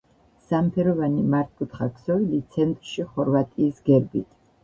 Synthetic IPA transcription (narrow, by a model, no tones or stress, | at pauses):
sampʰɛɾɔvanimaɾt̪̚ʰkʰʼut̪χakʰsɔvilit̪sʰɛnt̪ʼɾʃiχɔɾvat̪ʼiːsɡɛɾbit̪ʰ